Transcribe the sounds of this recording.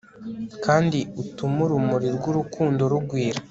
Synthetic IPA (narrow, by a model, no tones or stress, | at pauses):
kaːndiutumuɾumuɾiɾɡuɾukʰuːndo̞ɾuɡwiːɾa